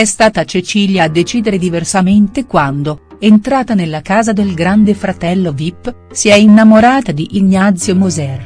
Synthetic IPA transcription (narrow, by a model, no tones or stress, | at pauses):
ɛst̪aːt̪at͡ʃet͡ʃiːljaːd̪ːet͡ʃiːd̪eɾed̪iversament̪ekwand̪o | ent̪ɾaːt̪anelːakaːzad̪elɡɾand̪efɾat̪ɛlːovipːsiɛinːamoɾaːt̪ad̪iʔːɲːat̪sːjomozɛr